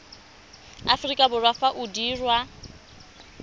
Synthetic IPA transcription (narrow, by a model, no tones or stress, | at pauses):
afrikʼabʊrwafaʔudiːrwa